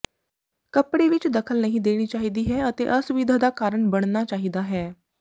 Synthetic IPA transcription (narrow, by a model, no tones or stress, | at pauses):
kəpɽeʋɪt͡ʃd̪əkʰəlnəɦĩd̪eːɽ̃iːt͡ʃaːɦid̪iːɦɛət̪eʔəsʊʋɪd̪ʱad̪aːkaːɾəɳbəɽ̃nat͡ʃaːɦid̪aɦɛː